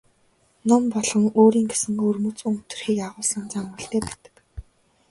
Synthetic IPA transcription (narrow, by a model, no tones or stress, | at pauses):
nɔmpɔɮʁɞ̆ŋoːɾiːŋɡesɘ̆ŋɵrmɵt͡sɵŋʰt̪ɵ̆rxiːkaʁʊːɮsə̆nt͡samə̆ɬt̪eːpæːt̪ə̥̆k